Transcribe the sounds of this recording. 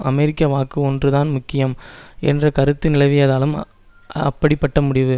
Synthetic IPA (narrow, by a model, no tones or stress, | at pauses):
ʔɐmɛɾɪkːɐʋaːkɯɔndrɯðaːnmʊkːɪjɐmʔɛndrɐkɐɾɯt̪ːɯnɪlɐɪʋɪjɐːðaːlɯm | ɐ̰pːɐɽɪpːɐʈːɐmʊɽɪʋɯ